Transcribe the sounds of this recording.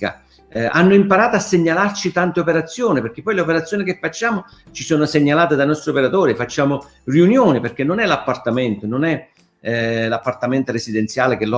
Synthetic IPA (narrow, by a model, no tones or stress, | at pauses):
a̰ | a̰nːʊimpaɾaːt̪oasːeɲːalart͡ʃit̪ant̪eopeɾat̪sːjoːniperk̟epːɔjleopeɾat̪sːjoːnikefːat͡ʃːaːmʊ | t͡ʃisoːnʊseɲːalaːt̪ɪd̪ajnɔst̪ɾiopeɾat̪oːɾiefat͡ʃːaːmʊ | riunjoːnɪperk̟enːonɛlapːart̪amɛnt̪ononɛ | lapːart̪amɛnt̪oɾesid̪ɛnt̪sjaːlɪk̟el